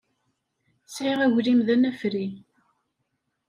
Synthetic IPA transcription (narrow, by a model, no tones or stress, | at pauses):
sʕeʁæʝlimðænæfɾi